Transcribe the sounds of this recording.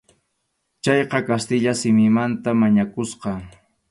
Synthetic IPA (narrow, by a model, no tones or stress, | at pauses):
t͡ʃɑjqɑkast̪ɪʎasɪmɪmant̪amaɲakʊsqɑ